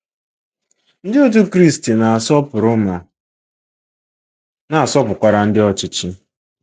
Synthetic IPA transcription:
n̩˦dɪ˦o˦t̬u˦kɾi˦˨sti˨na˨a˨sɔ˦pʊ˨ɾʊ˦ma˨ | na˨a˨sɔ˦pʊ˨kʷa˨ɾa˨n̩˦dɪ˦ɔ˦t͡ʃɪ˦t͡ʃɪ˦

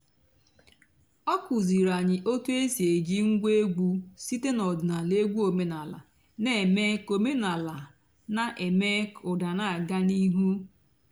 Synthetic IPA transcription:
ɔ˦kʷu˨zi˨ɾa˨ɲɪ˨ʔo˦tu˦e˦si˨e˨d͡ʒi˦ŋ̩˦ɡʷe˦ɡʷu˦si˦te˦nɔ˨dna˨le˦ɡʷu˦o˨me˨na˨la̰˨ | ne˦˨me˦ko˨me˦na˨la˨ | na˦ʔe˨me˦kʊ˨da˨na˦a˨ɡa˦ni˦ɦu˦

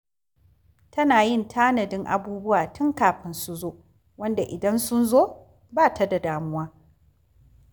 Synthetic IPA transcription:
tʰɐ˦naː˨jɪ˦˨ntʰaː˦nɐ˨dɪ˦ŋʔa̰˨buː˦bʊ˦waː˨tʰʊ˦ŋkaː˨ɸɪ˦nsu˦zoː˦ | wɐ˦nda˨ʔɪ˨dɐ˦nsʊ˦nzoː˦˨ | baː˦ta˦da˨daː˦mʊ˦waː˦

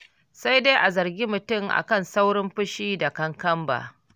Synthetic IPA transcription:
sa˦jde˦jʔa˨zɐ˨rɡʲiː˦mʊ˨tʊ˦˨mʔa̰˨kɐ˦˨nsa˦wɽɪ˦mɸʊ˦ʃiː˦da˨kɐ˦ŋkɐ˦mba̰ː˨

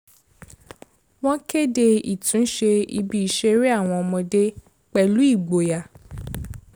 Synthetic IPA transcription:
w̃ɔ̃˦ke˦de˧i˨tũ˨˦ʃe˧ḭ˧bi˦i˨ʃe˦ɾi˦a˦˨w̃ɔ̃˧ɔ˧mɔ̃˧de˦ | k͡pɛ˧lu˦i˦˨ɡ͡bo˨ja˨

